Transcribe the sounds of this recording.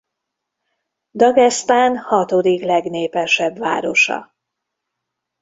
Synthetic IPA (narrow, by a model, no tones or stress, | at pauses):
d̪ɒɡɛst̪aːnhɒt̪o̞d̪iklɛɡneːpɛʃɛbva̰ːɾo̞ʃɒ̰